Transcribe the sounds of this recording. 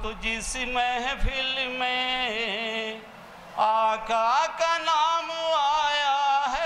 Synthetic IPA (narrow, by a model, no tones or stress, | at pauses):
t̪od͡ʒisimeɦɛpʰɪlmẽɦ | aːkaːkanaːmaːjaɦɛ